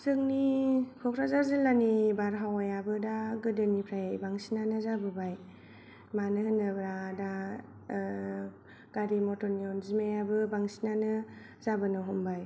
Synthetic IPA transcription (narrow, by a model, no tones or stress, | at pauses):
sɯŋnikʰɔkʰɾazaɾzɯlanibaɾɦawajabɯdaɡɯdɯnipʰɾajbaŋsinanɯzabɯbaj | manɯhɯnːɯbɾada | ɡ̥aɾimɔtɔniɔnzimajabɯbaŋsinanɯ | zabɯnɯɦɔmbaj